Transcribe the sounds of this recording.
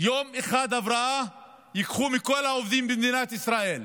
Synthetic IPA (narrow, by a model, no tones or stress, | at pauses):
joːmʔexaːd̪avɾɑʔa | jɪkχumikolhaʔovd̪iːmbimd̪iːnat̪ɪsɾaʔeːl